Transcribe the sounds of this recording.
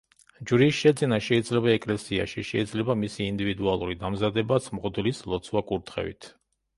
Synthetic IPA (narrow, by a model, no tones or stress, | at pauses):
d͡ʒɾiːsʃɛd̪zinaʃɛid̪zlɛbaɛkʼlɛsia̰ʃiʃɛid̪zlɛbamisiːnd̪ivid̪ualˠuɾid̪amzad̪ɛbat̪sʰmʁɔd̪lislˠɔt̪sʰwakʼuɾt̪ʰχɛ̰vḭt̪ʰ